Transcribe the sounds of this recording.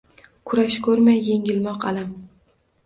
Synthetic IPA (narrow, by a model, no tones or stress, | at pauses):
kʰʊɾaʃkʰɵɾmajːe̞ŋʲɪlmɒqalam